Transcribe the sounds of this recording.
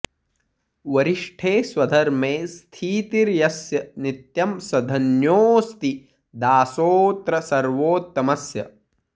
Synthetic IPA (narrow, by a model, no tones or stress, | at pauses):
ʋɐɾiʂʈʰeːswɐd̪ʱɐɾmeːst̪ʰiːt̪iɾjɐsjɐnit̪jɐmsɐd̪ʱɐnjoːst̪i | d̪aːsoːt̪ɾɐsɐɾʋoːt̪ːɐmɐsjɐ̰